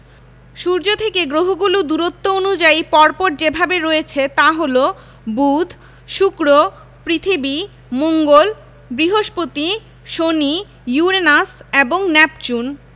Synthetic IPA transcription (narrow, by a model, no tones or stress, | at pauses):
ʃuɾd͡ʑot̪ʰekeɡɾoɦoɡulud̪uɾot̪ːoonud͡ʑaipɔɾpɔɾd͡ʑebʱabeɾoet͡ɕʰet̪aɦolo | bud̪ʱ | ʃukɾo | pɾit̪ʰibi | moŋɡol | bɾiɦoʃpot̪i | ʃoni | juɾenaseboŋnɛpt͡ɕun